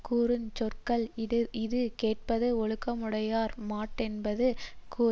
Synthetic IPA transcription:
kuːɾɯnt͡ʃɔrkɐɭɪðɯkeːʈ̚pɐðɯɔɭɯkːɐmɯɽɐjaːɾmaːʈːɛnbɐðɯkʰuː

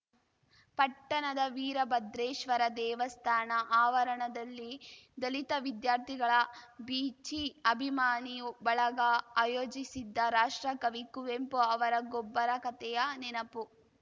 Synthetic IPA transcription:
pɐʈːɐnɐd̪ɐʋiːɾɐbɐd̪ɾeːʃʋɐɾɐd̪ɛːʋɐst̪ʰaːnɐʔaːʋɐɾɐɳɐd̪ɐlːid̪ɐlit̪ɐʋid̪jaːɾt̪ʰiɡɐɭɐbiːt͡ʃiɐbʱimaːnijubɐɭɐɡɐaːjoːd͡ʒisid̪ːɐɾaːʂʈɾɐkɐʋikuʋempuɐʋɐɾɐɡobːɐɾɐkɐt̪ɛjɐnɛnɐpu

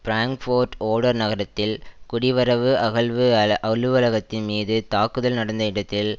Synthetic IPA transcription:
pɾaːŋkfoːɾʈoːɽɐɾnɐɣɐɾɐt̪ːɪlkʊɽɪʋɐɾɐʋɯʔɐɣɐɭʋɯʔɐɭɯʋɐlɐɣɐt̪ːɪnmiːðɯt̪aːkːɯðɐlnɐɽɐnd̪ɐɪɽɐt̪ːɪl

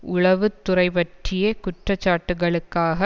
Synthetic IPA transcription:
ʊɭɐʋɯt̪ːʊrɐɪʋɐʈrɪjɐkʊʈrɐt͡ʃːaːʈːɯɣɐɭɯkːaːɣɐ

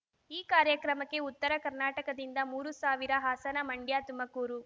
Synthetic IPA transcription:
iːkaːɾjɐkɾɐmɐkːe̞ut̪ːɐɾɐkɐɾnaːʈɐkɐd̪ind̪ɐmuːɾusaːʋiɾɐɦaːsɐnɐmɐɳɖjaːt̪umɐkuːɾu

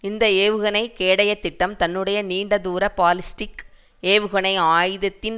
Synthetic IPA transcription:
ɪnd̪ɐeːʋɯɣɐnɐɪkeːɽɐjɐt̪ːɪʈːɐmt̪ɐnːɯɽɐjɐniːɳɖɐðuːɾɐpaːlɪsʈɪk | eːʋɯɣɐnɐɪaːjðɐt̪ːɪn

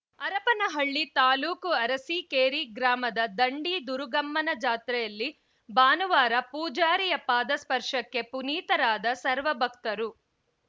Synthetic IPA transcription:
ɐɾɐpɐnɐɦɐɭːit̪aːluːkuɐɾɐsikeːɾiɡɾaːmɐd̪ɐd̪ɐɳɖid̪uɾuɡɐmːɐnɐd͡ʒaːt̪ɾɛjɐlːi | baːnuʋaːɾɐpuːd͡ʒaːɾijɐpaːd̪ɐspɐɾʂɐkːe̞puniːt̪ɐɾaːd̪ɐsɐɾʋɐbʱɐk̚t̪ɐɾu

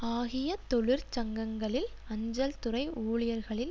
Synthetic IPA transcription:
aːɣɪjɐt̪ɔɭɯɾt͡ʃɐŋɡɐŋɡɐɭɪl | ɐɲd͡ʒɐlt̪ʊrɐɪuːɭɪjɐɾɣɐɭɪl

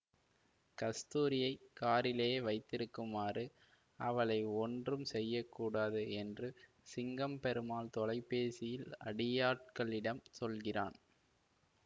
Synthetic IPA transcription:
kɐst̪uːɾɪjɐɪkːaːɾɪlejːʋɐɪt̪ːɪɾɯkːɯmaːrɯ | ɐʋɐɭɐɪɔndrɯmsɛjːɐkːuːɽaːðɯɛndrɯ | sɪŋɡɐmpɛɾɯmaːlt̪ɔlɐɪpːeːsɪjɪlɐ̰ɽɪjaːʈ̚kɐɭɪɽɐmsɔlɣɪra̰ːn

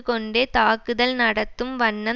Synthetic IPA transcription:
kɔɳɖeːt̪aːkːɯðɐlnɐɽɐt̪ːɯmʋɐɳːɐ

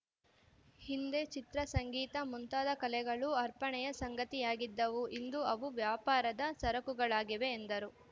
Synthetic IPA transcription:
hind̪e̞t͡ʃit̪ɾɐsɐŋɡiːt̪ɐmunt̪aːd̪ɐkɐlɛɡɐɭuɐɾpɐɳɛjɐsɐŋɡɐt̪ijaːɡid̪ːɐʋuʔind̪uɐʋuʋjaːpaːɾɐd̪ɐsɐɾɐkuɡɐɭaːɡiʋe̞ːnd̪ɐɾu

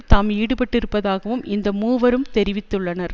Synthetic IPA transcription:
t̪aːmiːɽɯpɐʈːɪɾɯpːɐðaːɣɐʋɯmɪnd̪ɐmuːʋɐɾɯmt̪ɛɾɪʋɪt̪ːɯɭːɐnɐɾ

